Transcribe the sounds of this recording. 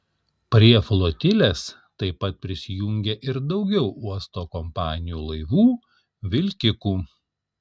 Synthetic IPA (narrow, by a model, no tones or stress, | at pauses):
pʲɾʲiɛflˠoːt̪ʲɪlʲeːs | t̪ɐɪpɐt̪̚pʲɾʲɪsʲɪjuŋʲɡʲeʔɪɾd̪ɒʊɡʲɛʊuɔst̪oːkɔmpɑːnʲɪjuːlˠɐɪʋuː | ʋʲɪlʲkʲɪkuː